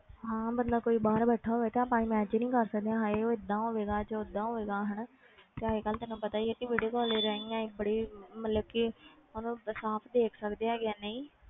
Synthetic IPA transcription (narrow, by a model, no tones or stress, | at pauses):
ɦãːbənd̪aːkoːiːbaːɾbəʈʰːaːɦoːʋeːt̪eaːpãːnĩːmɛːt͡ʃnĩːkəɾsək̚d̪eãːɦeoːɪd̪ːãːɦoːʋeːɡaːt͡ʃəɪd̪ːãːɦoːʋeːɡaːɦəɳ | t̪eːəɦeːkəlt̪ɪnũːpət̪aːieːkiʋeːɽeːkɔːleːɾəiːãːĩːbəɽiːmət̪ləbkimənũːsaːpʰd̪eːkʰsəkd̪eaːɡɪjaːnəĩː